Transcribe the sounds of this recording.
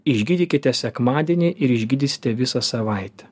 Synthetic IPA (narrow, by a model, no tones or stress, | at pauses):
ɪʒʲɡʲɪd̪ʲikʲɪt̪ʲɛsʲɛkmɑːd̪ʲɛnʲiʔɪɾɪʒʲɡʲid̪ʲisʲɪ̥t̪ʲɛʋʲɪsɑsɐʋɐɪt̪ʲɛ̥